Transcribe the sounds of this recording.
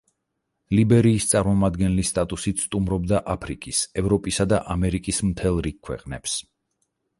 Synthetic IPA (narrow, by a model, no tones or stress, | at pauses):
libɛɾiːst̪sʼaɾmɔmad̪ɡɛnlist̪ʼat̪ʼusit̪sʰt̪ʼumɾɔbd̪aʔapʰɾikʼisɛvɾɔpʼisad̪aʔamɛɾikʼism̩t̪ʰɛlˠɾikʰːwɛ̰qʼnɛps